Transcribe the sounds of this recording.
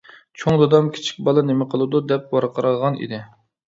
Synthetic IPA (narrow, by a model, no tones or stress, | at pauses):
t͡ʃʰoŋd̪od̪ɑmkʲʰi̥t͡ʃʰi̥k̚ʲbɑlˠɨnemɪqʰəlˠɨd̪ud̪ɛp̚wɑɾqʰəɾɑlˠʁɑnḭd̪ɪ